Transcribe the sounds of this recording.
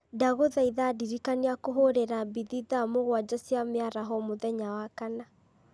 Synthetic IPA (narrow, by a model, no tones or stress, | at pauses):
daɣoðaiðadiɾikaniakoɦoɾeɾabiðiðamoɣwad͡ʒɔsjameaɾaɦɔmoðɛɲawakana